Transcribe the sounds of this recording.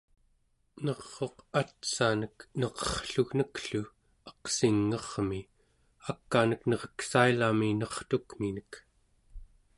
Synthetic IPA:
nʌʁːo̞qat̪sanəknʌʁʌ̥χɬuɣnəkɬu | ʌ̥qsiŋːʌʁmi | akːanəknʌʁʌksailaminʌχt̪ukminək

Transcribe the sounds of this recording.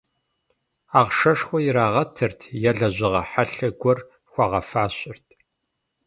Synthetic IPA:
aːʁʂɐʂxʷɔjɪɾaːʁɐtʰɨrtʰjɛɮɐʑʷɪʁɐħaɬɐɡʷɔr | xʷɑʁɐfaːɕʼɪrtʰ

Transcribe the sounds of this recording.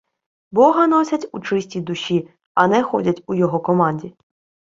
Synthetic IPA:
bɔɦɐnɔsʲɐtʲut͡ʃɪsʲtʲijd̪ʊʃʲi | ɐnɛxɔ̰dʲɐtʲujɔɦɔkɔmɑnʲdʲi

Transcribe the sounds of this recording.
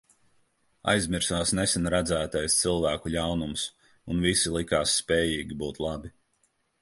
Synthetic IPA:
a̰jzmiɾsaːsnɛsɛnɾæd̪zæːt̪ajst̪silˠvæːkuʎʲawnums | unvisilˠikaːsːpɛːjiːɡʲibuːt̪lˠabi

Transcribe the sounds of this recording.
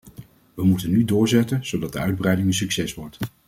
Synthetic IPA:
ʋəmutənːydʊːɹzɛtənz̥owdɑt̚dəœɥd̚brɛjdɪŋəns̬yksɛsʋɔɹt

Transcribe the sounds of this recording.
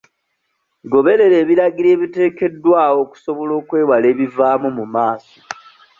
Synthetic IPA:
ɡo̞βe̞ɾe̞ɾe̞ːβiɾaɡiɾe̞ːβite̞ːke̞dːwaːwo̞ːku̥so̞βo̞lo̞ːkwe̞ːwale̞ːβivaːmumumaːso̥

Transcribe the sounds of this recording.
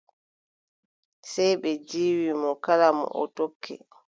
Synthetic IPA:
sɛjɓɛd͡ʒiːwimɔkalamɔ̰ʔɔ̰tokʰːɛ̰

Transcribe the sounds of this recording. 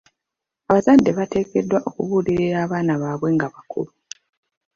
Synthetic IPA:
aβazadːe̞βate̞ːke̞dːwaʔo̞kuβuːliɾiɾaːβaːnaβaːβwe̞ŋɡaβakʰṵlu

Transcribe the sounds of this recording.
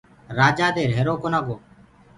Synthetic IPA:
ɾaːd͡ʒaːd̪eːɾɦeɾoːkoːnaːɡoː

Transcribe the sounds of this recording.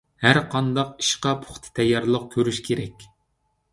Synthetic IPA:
hæɾqʰɑnd̪ɑqi̥ʃqɑpʰo̥χt̪ʰɨ̥t̪ʰɛjːɑɾlˠəq̚kʲʰøɾyʃkʲʰeɾɛkʲ

